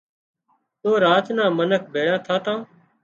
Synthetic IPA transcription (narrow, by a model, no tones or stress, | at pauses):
t̪oːɾaːt̪nãːmənək̚ʰbʱeːjãːt̪ʰaːt̪ãː